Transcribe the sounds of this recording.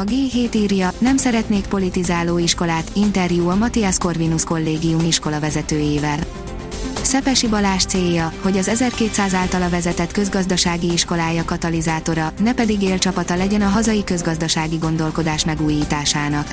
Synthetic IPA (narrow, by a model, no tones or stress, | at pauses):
ɒɡeːɦeːt̪iːrjɒnɛmsɛɾɛt̪neːk̚po̞lit̪izaːloːiʃko̞laːt̪int̪ɛrjuːɒmɒt̪iɛsko̞rvinusko̞lːeːɡijumiʃko̞lɒvɛzɛt̪øːjeːvɛl | sɛpɛʃibɒlaːʃt̪seːjːɒho̞ɟɒzɛzɛrkeːt̪saːzaːlt̪ɒlɒvɛzɛt̪ɛt̪kø̞zɡɒzd̪ɒʃaːɡiiʃko̞laːjɒkɒt̪ɒlizaːt̪o̞ɾɒnɛpɛd̪iɡeːlt͡ʃɒpɒt̪ɒlɛɟɛnɒɦɒzɒjikøzɡɒzd̪ɒʃaːɡiɡo̞n̪d̪o̞lko̞d̪aːʃmɛɡuːjiːt̪aːʃaːnɒk